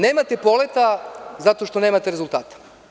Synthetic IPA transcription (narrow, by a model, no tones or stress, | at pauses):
neːmat̪epo̞let̪azat̪o̞ʃt̪o̞neːmat̪eɾezulˠt̪aːt̪ḁ